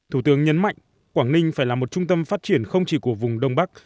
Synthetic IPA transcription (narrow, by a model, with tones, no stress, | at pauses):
t̪ʰu˧˩t̪ɨ˨˦əŋɲə˨˦nma̰˧˨jŋ̟ | kwaː˧˩nnï˧ŋ̟faː˧˩jlaː˨˩mo˨˩t̚t͡ɕʊ˧ŋ͡mt̪ə˧mfaː˦˥t̚t͡ɕi˧˩ənxə˧wŋ͡mt͡ɕi˧˩ku˧˩əvʊ˨˩ŋ͡mɗə˧wŋ͡mɓa˦˥k̚